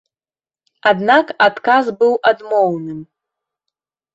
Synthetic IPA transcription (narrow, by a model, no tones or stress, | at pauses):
ad̪nakat̪kazbɨwʔad̪mownɨm